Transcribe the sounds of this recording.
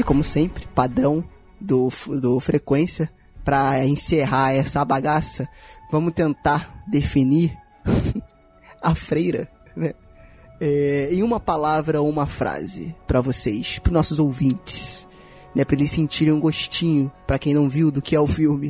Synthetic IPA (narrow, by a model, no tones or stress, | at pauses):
ɪkõmʊsẽpɾɪ̥pad̪ɾɐ̃w̃ | d̪ʊfd̪ʊfɾekwẽsiɐ | pɾɐẽseɦaɛsɐabaɡasɐvɐ̃mʊt̪ẽnt̪aɾd̪efiniɾ | ɐfɾejɾɐ | nɛ | ɛẽj̃ũmɐpalavɾɐoũmɐfɾa̰zɪ̰pɾɐvosejspɾʊnɔsʊzowvĩnt͡ʃɪ̥s | nɛpɾɐlɪsĩnt͡ʃiɾẽj̃ũɡoʃt͡ʃĩɲʊpɾɐkẽj̃nɐ̃w̃viwd̪ʊkɪɛʊfiwmɪ